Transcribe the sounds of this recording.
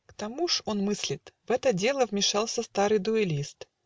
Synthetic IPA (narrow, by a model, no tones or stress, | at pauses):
kt̪ɐmuʂo̞nmɨsʲlʲɪt̪vɛt̪ədʲe̞lˠəvmʲɪʂɑlˠsʲəst̪aɾɨjd̪ʊɪlʲist̪